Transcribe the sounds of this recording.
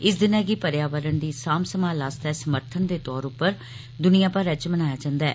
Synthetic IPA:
ɪsd̪ɪnɛ̃ːɡiːpəɾjaːʋəɾənd̪iːsaːmsəmãːlaːst̪ɛːsəməɾt̪ʰənd̪eːt̪ɔːɾʊpːəɾ | d̪ʊnɪjãːpəɾɛt͡ʃmənaːjaːd͡ʒãːnd̪aɛː

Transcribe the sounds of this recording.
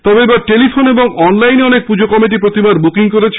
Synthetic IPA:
t̪ɔbeebaɾʈelifʰoneboŋɔnlajneɔnek̚pud͡ʑokɔmiʈ̬ipɾot̪ibaɾbukiŋkoɾet͡ɕʰ

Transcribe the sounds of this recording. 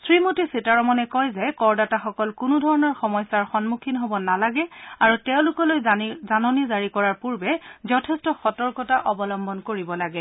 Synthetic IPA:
sɹimotisitaɹɔmɔnɛkɔjzɛkɔɹdataxɔkɔlkʊnudʱɔɹɔnɔɹxɔmɔjsaɹxɔnmukʰinɦobɔnalaɡɛaɹutɛʊ̃lʊkɔlojzanɔnizaɹikɔɹaɹpuɹbɛzɔtʰɛstɔxɔtɔɹkɔtaʔɔbɔlɔmbɔnkoɹibɔlaɡɛ

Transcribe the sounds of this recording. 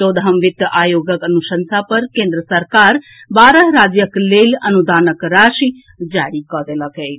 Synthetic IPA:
t̪od̪ɦəmʋit̪jəʔajoɡəkənusənsapəɾkẽnd̪ɾəsəɾkaɾ | baɾəɦɾad͡ʒjəklelənud̪anəkɾaʃi | d͡ʒaɽikɔɾeləke

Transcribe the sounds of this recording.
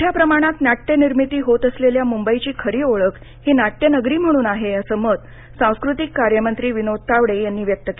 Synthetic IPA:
ʈʰjapɾəmaɽ̃at̪naʈːeniɾmit̪iːɦot̪əsleljamumbəit͡ɕiːkʰəɾiːoɭək | hiːnaʈːjənəɡɾiːm̤əɽ̃uːnaɦeəsəːməd̪ | sãw̃skɾut̪ikːaɾjəmənt̪ɾiːʋinot̪aʋɽejanːiːʋjək̚t̪əki

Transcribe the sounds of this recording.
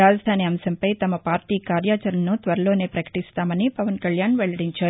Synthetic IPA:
aːd͡ʒɐd̪ʱaːniɐmsɐmpɐjt̪ɐmɐpaːɾʈiːkaːɾjaːt͡ʃɐɾɐnut̪ʋɐɾɐlo̞ːne̞ːpɾɐkɐ̥ʈist̪aːmɐnipɐʋɐnkɐɭjaːnʋɛɭɐɽiɲt͡ʃaːɾu

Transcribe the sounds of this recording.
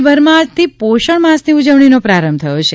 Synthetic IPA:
bəɾmãd͡ʒt̪ʰipoʃəɳmasniud͡ʒəʋɳ̃inopɾaɾəmbt̪ʰəjot͡ʃʰe

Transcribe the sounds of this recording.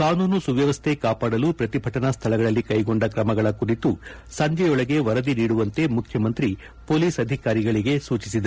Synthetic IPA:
kaːnuːnusuʋjɐʋɐst̪ʰe̞kaːpaːɽɐlupɾɐt̪ibʱɐʈɐnɐst̪ʰɐlɐɡɐɭɐlːikɐjɡo̞ɳɖɐkɾɐmɐɡɐɭɐkuɾit̪u | sɐɲd͡ʒɛjɔɭɐɡe̞ʋɐɾɐd̪iniːɽuʋɐnt̪e̞mukʰjɐmɐnt̪ɾi | po̞ːliːsɐd̪ʱikaːɾiɡɐɭiɡe̞suːt͡ʃisid̪e

